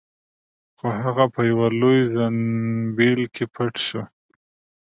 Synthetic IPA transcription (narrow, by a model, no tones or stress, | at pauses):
xoɦaɣapəjawalojzanbelkʰepʰaʈʃo